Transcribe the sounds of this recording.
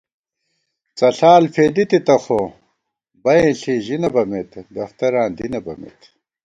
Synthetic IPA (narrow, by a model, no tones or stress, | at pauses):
t͡sɐɬaːlpʰeːd̪it̪it̪ɐxo | bɐjẽːɬiʑinɐbɐmet̪d̪ɐft̪ɐɾãːnd̪inɐbɐ̰mḛt̪